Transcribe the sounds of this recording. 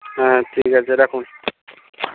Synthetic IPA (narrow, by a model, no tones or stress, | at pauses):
atʰikaseɾakʰun